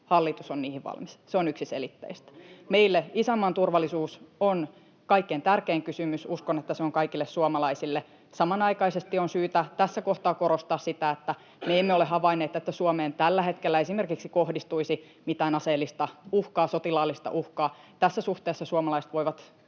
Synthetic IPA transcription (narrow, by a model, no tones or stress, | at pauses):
hɑlːit̪usonniːhiʋʋɑ̰lmisseonyksisḛlit̪ːḛist̪æ̥meilːeisæmːɑnt̪urʋɑlːˑisuːson | kɑikːent̪ærkeːŋkysymysuskonet̪ːæseoŋkɑikilːessuomɑlɑisilːe | sɑmɑnɑikɑisest̪ionsyːt̪æt̪æsːækoht̪ɑːkoɾost̪ɑːssit̪æet̪ːæ | meemːeolehɑʋɑinːeːt̪et̪ːæsuomeːnt̪ælːæhet̪kelːæesimerkiksikohdist̪uisi | mit̪æːnɑseːlːist̪ɑuhkɑːsot̪ilɑːlːist̪ɑ̰ʔuhkɑːt̪æsːæsuht̪eːsːɑsuɑmɑlɑise̥t̪ʋoiʋɑt̪